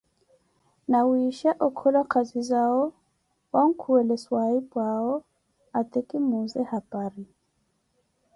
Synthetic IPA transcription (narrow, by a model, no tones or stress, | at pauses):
nawiʃaʔɔkʰɔlakʰazizaɔ | waŋ̩kʰuwɛlɛswaipwaɔ | at̪ʼɛkʼimuzɛhapʼaɾi